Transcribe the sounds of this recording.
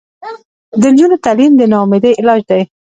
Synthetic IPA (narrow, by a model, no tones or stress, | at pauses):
d̪ənd͡ʒunot̪alimd̪ənɑmɪd̪eɪlɑd͡ʒd̪aj